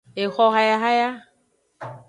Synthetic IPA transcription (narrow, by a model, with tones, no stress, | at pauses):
e˨xɔ˦ɦa˦ja˦ɦa˦ja˦